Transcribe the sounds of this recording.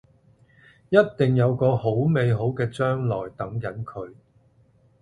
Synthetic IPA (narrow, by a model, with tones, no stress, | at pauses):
jɐ˥t̚t̪ɪ˨ŋjɐ˨˧wkɔː˧ho˨˥wme˨jɦo˨˥wkɛː˧t͡ʃœː˥ŋlɔː˨˩jt̪ɐ˨˥ŋkɐ˨˥nkʰɵ˨˧ɥ